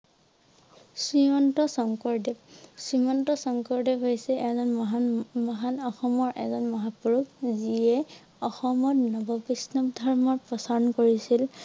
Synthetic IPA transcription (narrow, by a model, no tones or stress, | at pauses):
sɹimɔntɔsɔŋkɔɹdɛbsimɔntɔsɔŋkɔɹdɛbɦojsɛʔɛzɔnɦmɔɦanɔxɔmɔɹʔɛ̰zɔnmɔɦapuɹukziɛ | ɔxɔmɔtnɔbɔbisnɔbdʱɔɹmɔɹpɹɔsaɹɔnkoɹisil